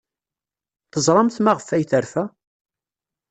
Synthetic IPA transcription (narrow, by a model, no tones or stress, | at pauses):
θəzˤɾˤɑmθmaʁəfæjθəɾfæ